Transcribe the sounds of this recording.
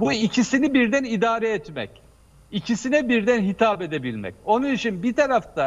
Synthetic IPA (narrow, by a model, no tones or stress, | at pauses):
buicʰisinibiɾd̪ænid̪aːɾɛːt̪mɛ̰c | icʰisinɛbiɾd̪ænɦit̪ʰaːpe̞d̪ebilʲmɛ̰co̞nunit͡ʃʰinbit̪ʰaɾaft̪ʰa